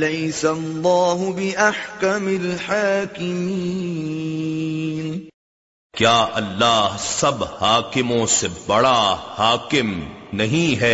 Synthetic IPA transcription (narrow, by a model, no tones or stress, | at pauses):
lɐjsɐlːaːɦʊbɪʔaħkamɪlħaːkɪmi | n | kjaːʔɐlːaːɦsɐbhaːkɪmõsebɐɽahaːkɪmnɐɦĩɦɛː